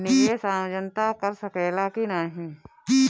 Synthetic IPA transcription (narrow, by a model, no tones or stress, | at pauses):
niesaːəd͡ʒənt̪akɐɾsɐkɛːlakinaːɦĩː